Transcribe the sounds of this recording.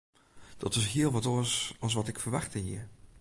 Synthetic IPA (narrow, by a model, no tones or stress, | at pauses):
d̥ɑtɪs̬ɦɪəlˠʋɑtoːsɑlˠs̬ʋɑtɪkfəɹʋɑχtəɦḭːɹ